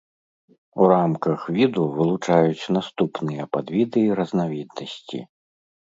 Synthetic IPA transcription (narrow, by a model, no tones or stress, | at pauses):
uɾamkɐxvʲid̪uvɨlˠut͡ʂajut͡sʲn̪ast̪upnɨjɐpad̪vʲid̪ɨːɾɐznavʲid̪̚nɐsʲt͡sʲḭ